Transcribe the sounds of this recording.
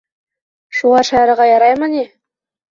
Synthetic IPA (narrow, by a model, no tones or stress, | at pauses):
ʃuʁɑɾʃæɾəʁɑjɑɾɑjmɑne